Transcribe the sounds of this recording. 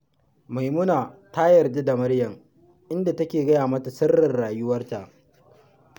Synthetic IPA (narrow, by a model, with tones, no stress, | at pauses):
ma˨jmʊ˦naː˨ta˦jɐ˨rde˦da˨mɐ˦rjɐ˨ŋ | ʔɪ˦nda˨tɐ˦kʲeː˨ɡɐ˦jaː˨mɐ˦ta˨sɐ˦rːɐ˨rːaː˨jʊ˦wɐ˦rta˨ʔ